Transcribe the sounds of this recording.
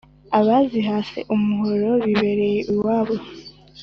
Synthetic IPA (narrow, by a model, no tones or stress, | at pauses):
aβaziɦaːse̞̰ʔumuɦoɾo̞βiβe̞ɾe̞jeʔuwaːβo